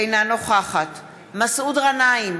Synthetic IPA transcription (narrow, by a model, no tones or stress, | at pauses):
ejnano̞χaχat | masʔudʁanaim